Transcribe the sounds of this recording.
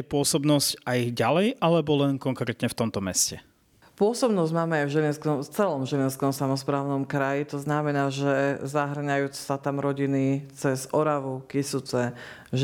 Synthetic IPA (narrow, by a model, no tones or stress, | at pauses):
pʊɔsɔbnɔzcajɟalɛjʔalɛbɔlɛnkɔŋkɾɛːt̪ɲɛft̪ɔmt̪ɔmɛscɛ | pʊɔsɔbnɔzɟmaːmɛajvʒɛlinskɔmft͡sɛlɔmʒɛlinskɔmsamɔspɾaːʊnɔmkɾajit̪ɔznamɛnaːʒɛzaɦr̩ɲajuːt͡ssat̪amɾɔɟinit͡sɛzɔɾaʋukisut͡sɛ | ʒ